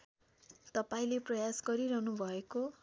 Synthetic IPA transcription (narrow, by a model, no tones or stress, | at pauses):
t̪ʌpaĩleprʌjasɡʌɾiɾʌɦnubʱʌeko